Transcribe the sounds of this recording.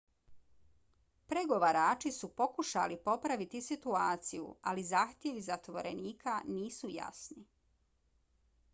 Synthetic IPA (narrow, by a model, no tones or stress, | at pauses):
pɾeɡo̞ʋaɾaːt͡ʃisupo̞kuʃa̰lipo̞pɾaʋit̪isit̪uaːt̪sijṵalizaːxt̪jeʋizat̪ʋo̞ɾḛniːkʰaniːsuja̰sni